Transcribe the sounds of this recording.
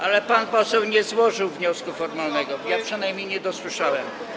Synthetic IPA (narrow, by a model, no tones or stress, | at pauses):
ʔalɛpanpɔsɛwɲɛzwɔʐɘwvɲɔskufɔɾmalnɛɡɔjapʂɘnajmʲejɲɛd̪ɔswɘʂawɛm